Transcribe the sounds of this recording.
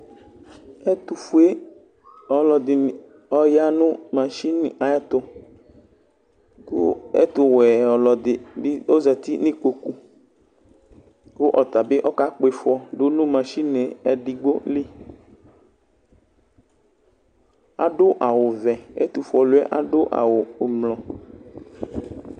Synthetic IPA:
e˦t̪u˨fu˦e˦ | ɔ˨lɔ˨d̪ɪ˨ | ɔ˦ja˦nʊ̃˦mã˨ʃi˦ni˨a˨ɛ˦t̪ʊ˦ | kʊ̰˦ɛ̰˦t̪ʊ˨wɛ˨ɔ˨lɔ˨d̪ɪ˨bɪ˦o˦zɛ˨t̪i˦nĩ˦ko˨ku˨ | kʊ˦ʔɔ˨t̪a˨be˦ʔɔ˦ka˦k͡po˦e˨fɔ˦ɖo˦nũ˦mã˨ʃi˦ne˨ɛ˨ɖi˨ɡ͡bo˦li˦ | a̰˦ɖʊ˦ʔa˨wo˨vɛ˨ḛ˦t̪u˨fɔ˨lu˦ɛ̰˦ʔa̰˦ɖʊ˦ʔa̰˨wo˨mlɔ̃˨

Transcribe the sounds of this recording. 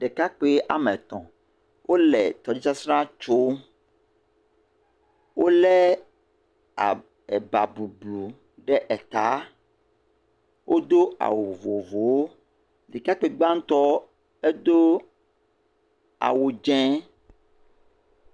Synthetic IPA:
ɖɛ˨ka˦k͡pe˦ʔa̰˨mɛ˨t̪ɔ̰̃˨ | wʔo˦lɛ˨t̪ɔ˨d͡ʒi˦t͡ʃa˦sɾã˦t͡ʃo˦ | wʔo˦lɛ˦ | a̰˨ | ɛ˨ba˨bu˨blu˨ | ɖɛ˦ʔɛ˨t̪a˨˦ | wʔo˦d̪o˦a̰˨wo˨vo˨vo˨wo˦ | li˨ka˦k͡pe˨ɡ͡bã˦ŋ̩˦t̪ɔ˦ | e˦d̪o˦ | a̰˨wo˨d͡ʒɛ̃˦

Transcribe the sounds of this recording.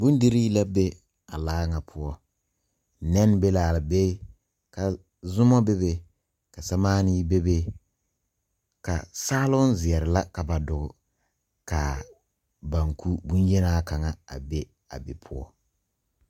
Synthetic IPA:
bʊ˦n˦di˦ɾi˦la˦be˦ | a˨laː˦ŋa˨pʰʊ˦ɔ˦ | nɛ˦n˦be˦laː˨lɪ˨be˦ | ka˨ | zʊ˦mɔ˦be˦be˦ | ka˨sa˨maː˦ni˦be˦be˦ | ka̰˨saː˦lʊ˦n˦zɪ˨ɛ˨ɾɪ˨la˦ka˨ba˨dʊ˨ɡʊ˨ | ka˨ | ba˨ŋku˦bʊ˦njɛ˦naː˦ka˨ŋa˨a̰˨be˦ | a̰˨bɪ˨pʰʊ˦ɔ˦

